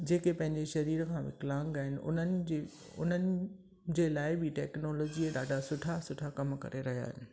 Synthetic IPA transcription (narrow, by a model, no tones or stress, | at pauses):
d͡ʑeːkepɐ̃ɦɪ̃ɲd͡ʑeʃɐɾiːɾkʰãːʋɪ̰klãːŋɡaːɦɪnɪ̆ʊ̰nənɪ̆d͡ʑe | ʊ̰n̤ənɪ̆ | d͡ʑeːlaːɪbɪʈɛːknɔːlɔːd͡ʑieɗaːɖʱasʊʈʰasʊʈʰakɐmkɐ̰ɾeɾɐɦija̰ːɦɪnɪ